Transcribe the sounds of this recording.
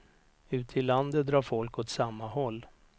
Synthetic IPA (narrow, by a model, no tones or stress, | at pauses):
ʉ̟ːt̪ʰɪlːand̪ət̪̚d̪ɾɑːɾfɔlkɔt̪samːahɔlː